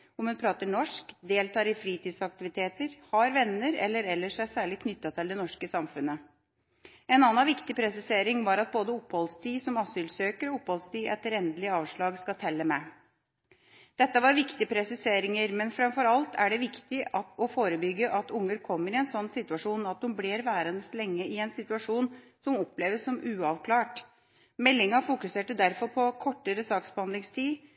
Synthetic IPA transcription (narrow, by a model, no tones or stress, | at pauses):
ɔmhʉnpʰɾɑːt̪əɳɔʂkd̪eːlt̪ʰɑːɾɪfɾiːt̪ʰiːd̪sɑk̚t̪ɪʋɪt̪ʰeːt̪əɾhɑɾʋɛnːəɾɛ̰lːəɾɛlːəʂæɪsæːɭɪkʰnʏt̪ːɑt̪ʰːɪld̪ɛnɔʂkəsɑmfʉnə | ɛnɑːnɑʋɪkt̪ɪpʰɾɛsɪseːɾɪŋʋɑɾɑt̪̚boːd̪əʊpːhɔlst̪ʰiːsɔmɑsʏːlsøːkəɾɔʊpːhɔlst̪iːʔɛt̪ːəɾɛnd̪lɪəɑːʋʂɭɑːɡskɑt̪ʰɛlːəmɛ | d̪̥ɛt̪ːəʋɑɾʋɪkt̪ɪəpʰɾɛsɪseːɾɪŋəɾmɛnfɾɑmfɔɾɑlt̪ʰæɖɛʋɪkt̪ɪɑt̪ɔfoːɾəbʏɡːəʔɑt̪ʊŋːəɾkʰɔmːəɾɪɛnsɔnːsɪt̪ʉɑʂuːnɑt̪̚hʊmbliːɾʋæːɾənəslɛŋːəɪɛnsɪt̪ʉɑʂuːnsɔmɔpleːʋəsːɔmʉːɑʋkʰlɑːʈ | mɛlːɪŋɑfʊkʉseːʈəd̪æɾfɔɾpʰɔkʰɔʈːəɾəsɑːksbəhɑnd̪ɪŋst̪ʰiː